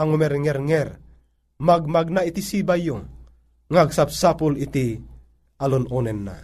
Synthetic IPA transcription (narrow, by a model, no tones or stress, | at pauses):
aŋumɛrŋɛrŋɛr | maɡ̚maɡ̚nait̪isibajuŋ | ŋaɡsap̚sapulit̪i | alunɔnɛnːa̰